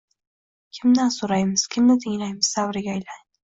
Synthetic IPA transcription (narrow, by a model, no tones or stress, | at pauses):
kʲʰɪmd̪ansoɾajmɪz̥kʲʰɪmnɪt̪ʰɪŋlajmɪz̥savɾɪɡʲaːjlaŋ